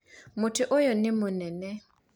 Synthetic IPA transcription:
mʊtɪʔojɔnɪmʊnɛnɛ

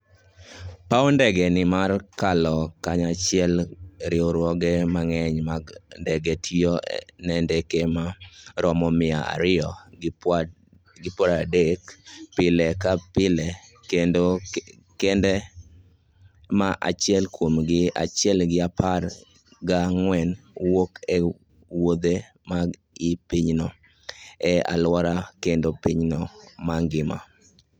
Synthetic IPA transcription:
paɔndɛɡɛnɪmarkalɔkaɲat͡ʃɪɛlɾɪoɾwɔɡɛmaŋɛɲmandɛɡɛtʰonɛndɛkemaɾɔmɔmɪa̰a̰ɾɪɔ | ɡɪpwɔɾadekpɪlɛkapɪlɛ | kendo | kɛndɛ | maʔa̰t͡ʃɪɛlkwomɡɪa̰t͡ʃɪɛlɡɪapar | ɡaŋwɛnwokɛ | wod̪e | ma | ipiɲnɔ | ɛa̰lwɔɾakendopiɲnɔmaŋɡɪma̰

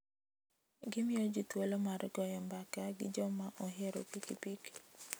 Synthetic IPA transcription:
ɡɪmɪjod͡ʒitwolomarɡɔjɔmbakaɡɪd͡ʒɔmaʔɔɦeɾo̰pikipik

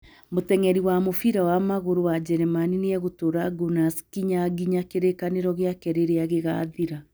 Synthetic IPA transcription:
motɛŋɛɾiwamofiɾawamaɣoɾowad͡ʒɛɾɛmaniniɛɣotoɾaɡunaskiɲaɡiɲakeɾekaneɾɔɣejakɛɾeɾeaɣeɣa̰ðiɾa

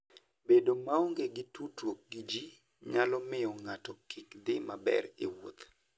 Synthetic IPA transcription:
bedomaoŋɡeɡɪtutwok̚ɡid͡ʒi | ɲalɔmɪɔŋatɔkʰɪkd̪ɪmabɛ̰ɾḛwo̰t̪

